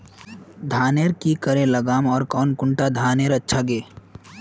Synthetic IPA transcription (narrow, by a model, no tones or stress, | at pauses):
d̪ʱaːneːɾkikəɾẽləɡaːmɔːɾkɔːnkʊ̃ɳʈad̪ʱaːneːɾətːʃʰaɡeː